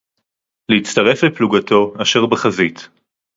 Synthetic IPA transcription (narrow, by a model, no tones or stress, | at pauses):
leit͡stɐʁe̞flepluɡatʰo̞aʃe̞ʁbeχazit